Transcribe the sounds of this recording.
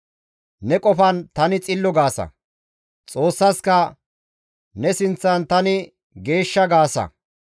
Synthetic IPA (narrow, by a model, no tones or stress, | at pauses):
nɛkʼɔfɐnt̪ɐnɪt͡sʼɪlːɔɡaːsɐ̰ | t͡sʼo̞ːsːɐskɐ | nɛsɪnt͡sːɐnt̪ɐnɪ | ɡe̞ːʃːɐɡaːsɐ̰